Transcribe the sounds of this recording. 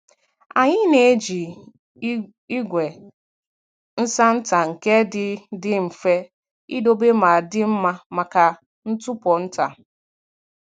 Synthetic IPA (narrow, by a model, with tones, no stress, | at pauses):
a˨ɲɪ˦ne˨e˦d͡ʒi˨ | i˦ɡʷe˨ | n̩˦sa˦n̩˦ta˨ŋ̩˨ke˦dɪ˦dɪ˦m̩˨fe˦ | i˦do˦be˦ma˨dɪ˦m̩˦ma˦ma˨ka˨ | n̩˦tʊ˦pɔ˨n̩˦ta˨